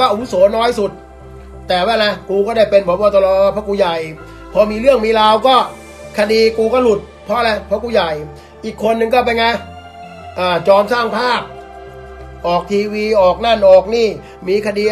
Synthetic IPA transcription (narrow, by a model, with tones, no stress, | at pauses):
aː˥˩ʔa˧wu˦˥sɔː˩˦nɔː˦˥˩jsu˨˩t̪̚ː | ɛː˨˩waː˧˥˩laɛ˧˩kuː˧kɔː˥˩daː˥˩jpe˧npʰɔ˨˦mkɔː˧˩t̪ɔ˧lɔː˧˩˧pʰɔ˦˥kuː˧ja˨˩j | pʰɔ˧˥miː˧ɾɯ˥˩əŋmiː˧laː˧wkɔː˥˩ | kʰa˧diː˧kuː˧kɔː˥˩lu˨˩t̪̚pʰɔ˦˥˧lɛ˦˧˥pʰɔ˦˥kuː˧ja˨˩j | ʔiː˨˩kʰːo˧nːɯ˨˧ŋkɔː˥˩p̬a˧jŋa˧˩j | ʔaː˧˩t͡ɕɔː˧msaː˥˩ŋpʰaː˥˩p̚ | ʔɔː˨˩k̚t̪ʰiː˧wiː˧ʔɔː˨˩k̚na˥˩nʔɔː˨˩k̚niː˥˩ | miː˧kʰa˧diː˧